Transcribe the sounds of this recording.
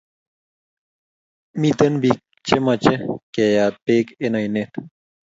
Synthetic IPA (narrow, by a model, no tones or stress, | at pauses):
mit̪ɐnbik̚ | t͡ɕemɐt͡ɕekejaːt̪̚peːkenɐjnet̪